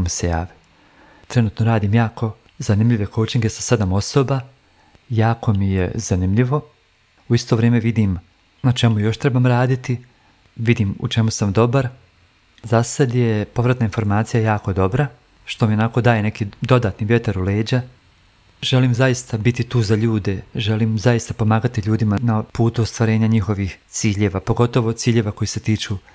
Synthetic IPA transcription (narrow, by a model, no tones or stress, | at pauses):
omise̞ja̰ːʋi̥ | t̪ɾe̞nuːt̪noɾaːd̪iːmjaːko̞ | zanimʎʲiʋe̞kot͡ʃiŋɡe̞sase̞d̪amo̞so̞ːba | jaːko̞mije̞zanimʎiʋo̞ | uist̪o̞ʋɾeːmeʋid̪iːm | nat͡ʃe̞mujo̞ʃt̪ɾe̞baːmɾaːd̪it̪i | ʋid̪iːmṵt͡ʃemusamd̪o̞baɾ | zasad̪je̞po̞ʋɾat̪nainfo̞ɾmaːt̪sijajaːko̞d̪o̞bɾa | ʃt̪o̞mionako̞d̪aːje̞ne̞kid̪o̞d̪aːt̪niʋʲjet̪aɾuleːd͡ʑa | ʒe̞liːmzaist̪abit̪it̪uːzaʎuːd̪e̞ʒeliːmzajist̪apo̞maːɡat̪iʎuːd̪imanapuːt̪uost̪ʋaɾe̞ːɲaɲixo̞ʋixt̪siːʎeːʋapo̞ɡo̞t̪o̞ʋo̞t̪siːʎeʋako̞jise̞t̪iːt͡ʃuː